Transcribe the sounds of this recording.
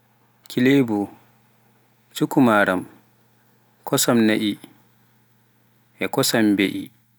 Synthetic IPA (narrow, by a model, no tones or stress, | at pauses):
kʰʲilebu | t͡ʃukumaːɾam | kʰɔsɔmnaʔi | ʔɛkɔsambɛʔḭ